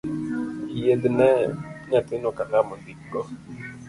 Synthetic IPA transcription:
ijednɛɲatɪnokakamondiɡɔ

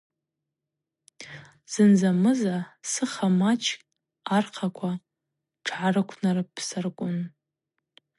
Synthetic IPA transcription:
z̥ɨnzamɨzasɨχamat͡ʃʰkʼ | arqʰakʷʰa | ʈ͡ʂʰʕarɨkʷʰnarɨpʰsarkʷʼʊn

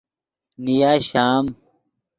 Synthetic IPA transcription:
nijaːɕaːm

